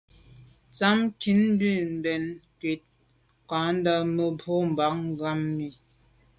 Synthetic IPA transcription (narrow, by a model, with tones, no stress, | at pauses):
t͡sa˦mki˨˦nː˦di˨m̩˨bɛ˨nkɥe˨˦t̚ | kã˨˦n˦də˦mə˦bʰo˦m̩˨ba˨˦k̚ŋ˦ɡa˦mːi˨